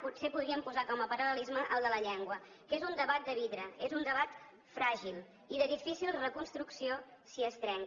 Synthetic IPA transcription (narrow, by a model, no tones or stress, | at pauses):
putsepuðɾiəmpuzakɔməpəɾələlizməʔəlˠd̪ələʎɛŋɡwə | kezund̪əβat̪̚d̪əβiðɾəezund̪əβ̞at̪ | fɾaʒilˠ | iðəðifisilˠrəkunst̪ɾuksiosiəst̪ɾɛŋ